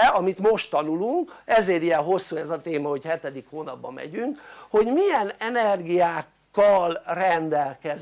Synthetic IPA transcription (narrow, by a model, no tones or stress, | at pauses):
ɒmit̪mo̞ʃt̪ːɒnuluŋkɛzeːɾijɛɦo̞sːuɛzɒt̪eːmɒho̞chɛt̪ɛd̪ikhoːnɒbːɒ̰mɛ̰ɟyŋkho̞ɟmijɛnɛnɛrɡijaːkːɒlrɛnd̪ɛlkɛz